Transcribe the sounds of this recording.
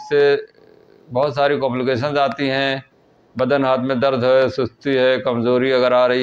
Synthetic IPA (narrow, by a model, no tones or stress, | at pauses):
se | bɔːʊt̪saːɾikɔ̃ːmlɪkeːʃ̬ənzaːt̪iɦɛ̃ | bɐd̪ənɦaːt̪ʰmẽd̪ɐɾd̪ʱɦosʊst̪iɦɛːkɐmzoːɾiɐɡəɾaːɾɐɦi